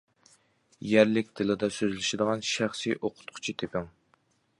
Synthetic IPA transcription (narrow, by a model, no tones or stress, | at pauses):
jæɾlɪk̚ʲt̪ʰɨlˠɪd̪ɛsøzlɪʃɪd̪əʁɑnʃæχsijʔoqʰʊ̥t̪̚qʰʊ̥t͡ʃʰit̪ʰepʰɪŋ